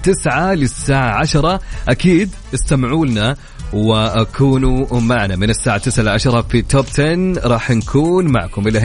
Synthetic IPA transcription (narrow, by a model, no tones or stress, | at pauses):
t̪ɪsʕalɪsːaːʕaʕaʃɑɾˤɑʔakiːd̪ | ʔɪst̪amʕuːlna | wɪʔakʰuːnumaʕnamɪnɪsːaːʕat̪ːɪsʕalʕaʃɑɾˤɑfit̪ʰoːbt̪ʰɛnɾˤɑːħnkʰuːnma̰ʕkʊmɪlːʔ